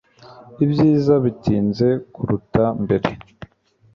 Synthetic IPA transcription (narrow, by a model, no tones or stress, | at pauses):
ibjiːzaβitiːnze̞kuɾutambe̞ɾe̞